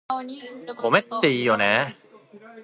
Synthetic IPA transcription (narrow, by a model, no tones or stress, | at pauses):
pʰomajt̪iːjuːnɛː